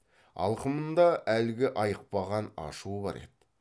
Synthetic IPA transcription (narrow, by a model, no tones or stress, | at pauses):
ɑ̰lˠqəmənd̪ɑælɡʲɪʔɑjəq̚pɑʁɑnɑ̰ʃuəbɑ̰ɾe̞̰d̪̥